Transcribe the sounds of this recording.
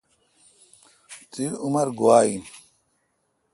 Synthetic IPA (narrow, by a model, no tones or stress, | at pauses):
t͡siumɐɾɡuwaːin